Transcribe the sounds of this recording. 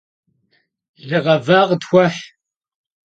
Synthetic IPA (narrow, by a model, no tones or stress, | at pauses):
ɮɨʁɐvaːʁdxʷɐħ